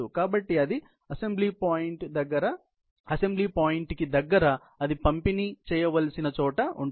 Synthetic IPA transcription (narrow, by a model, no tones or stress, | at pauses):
ukaːbɐʈːiɐd̪i | ɐse̞mbliːpaːjiɳʈd̪ɐɡːɐɾɐ | ɐse̞mbliːpaːjiɳʈkid̪ɐɡːɐɾɐ | ɐd̪ipɐmpinit͡ʃɛːjɐʋɐlɐsinɐt͡ʃɔːʈɐṵɳ